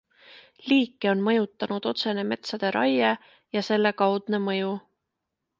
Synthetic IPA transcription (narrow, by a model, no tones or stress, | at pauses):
liːkˑːeo̞nmɤ̞jut̪ːˑɑnud̪̥o̞t̪se̞ne̞me̞t̪sɑd̪̥e̞ɾʔɑ̰je | jɑse̞lːe̞kɑwd̪̥ne̞mɤ̞ju